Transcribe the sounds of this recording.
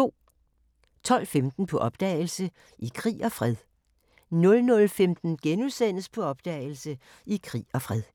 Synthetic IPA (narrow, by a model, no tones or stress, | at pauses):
o̝̰ː | t͡sʰɒ̽l̰femd̥n̩pʰɒ̽ʔɒ̽b̥d̥ɛ̰ːɪlsə | ʔikʰʁḭːɒ̽fʁɛðˠ | nɔ̽lnɔ̽lfemd̥n̩ɡ̥enuðˠsen̰əspʰɒ̽ɒ̽b̥d̥ɛ̰ːɪl̩sə | ikʰʁḭːɒ̽fʁɛð̞ˠ